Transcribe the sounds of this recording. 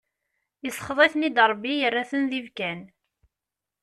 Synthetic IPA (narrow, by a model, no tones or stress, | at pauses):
jəsˤːχðˤiθnid̪ɾˤbːijərːaθənðivkæn